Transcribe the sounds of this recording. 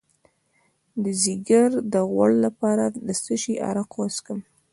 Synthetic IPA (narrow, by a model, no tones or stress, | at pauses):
d̪əziɡaɾd̪əɣwa̰ɽlapɑɾad̪əsəʃiʔa̰ɾaqwaskəm